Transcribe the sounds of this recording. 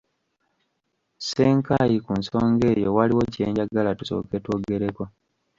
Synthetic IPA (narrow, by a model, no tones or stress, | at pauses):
seːŋkajikunsoːŋɡe̞ːjo̞waliwo̞cieːɲɟaɡalatuso̞̰ːke̞two̞ːɡe̞ɾe̞ko̞